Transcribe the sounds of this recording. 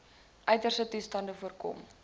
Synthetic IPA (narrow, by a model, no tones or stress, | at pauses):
ʔœɥtərsətustɐndəfuərkɔ̰m